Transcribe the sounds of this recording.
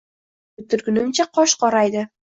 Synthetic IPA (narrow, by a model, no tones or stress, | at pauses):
bɪt̪ʰːɪɾɡʲʊnɪmt͡ʃʰaqʰɒʃqɒɾajd̪ɪ